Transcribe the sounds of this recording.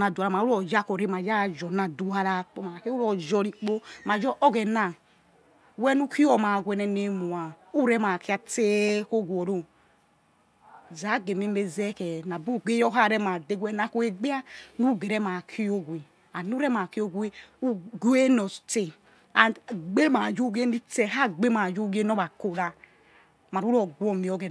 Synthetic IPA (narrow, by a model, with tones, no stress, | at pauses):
na˨du˨la˨ma˨˦u˦ɔ˨d͡ʒa˦ko˨ɾe˦ma˨d͡ʒa˦˨d͡ʒɔ˨na˨du˦ha˧la˦k͡po˦ma˨ke˦u˦ɾɔ˨d͡ʒɔ˧ɾi˨k͡po˦ma˨d͡ʒɔ˦ʔɔ˦ɡɛ˨na˨ | wɛ˦nu˦ki˦ɔ˨ma˨ɡʷɛ˨nɛ˨ne˨mu˨a˨u˦ɾɛ˦ma˨ki˦a˧˨te˦ko˦ɡʷɔ˨ɾo˦ | za˨˦ɡe˨mi˦m˦e˦zɛ˦kɛ˨na˨bu˦˨ɡe˦jɔ˦ɦa˦˨ɾɛ˦ma˨de˦ɡwɛ˦na˦ko˦e˦ɡ͡bi˦a˦nu˦˨ɡe˨ɾɛ˦ma˨kʰi˦o˦ɡʷi˨ | a˨nu˦ɾɛ˦ma˨ki˦o˦ɡʷe˦u˦ɡu˦e˦no˨te˨ | a˨ɡ͡be˦ma˨d͡ʒu˦ɡe˦ni˦te˨ɦa˦ɡ͡be˦ma˨d͡ʒo˦ɡe˦no˦ba˨ko˨ɾa˨ | ma˨ɾu˦ɾo˨ɡwo˦mi˨o˨˦ɡɛ˨